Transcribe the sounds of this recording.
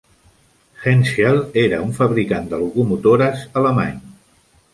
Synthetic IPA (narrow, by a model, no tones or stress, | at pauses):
xɛnʃialeɾəuɱfəβɾikand̪əlukumut̪oɾəzələma̰ɲ